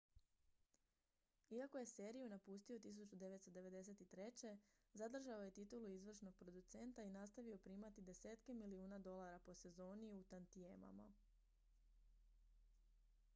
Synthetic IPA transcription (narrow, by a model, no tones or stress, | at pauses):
iako̞je̞se̞ːɾijunapust̪io̞t̪is̬ut͡ɕud̪e̞ʋet̪st̪od̪e̞ʋe̞d̪e̞se̞t̪it̪ɾe̞t͡ɕe̞zad̪r̩ʒao̞je̞t̪it̪uluizʋr̩ʃno̞ɡ̚pɾo̞d̪ut̪se̞nt̪ainast̪aʋio̞pɾiːmat̪id̪e̞seːt̪ke̞miliuːnad̪o̞lˠaɾapo̞se̞zo̞ːniut̪ant̪iema̰ma̰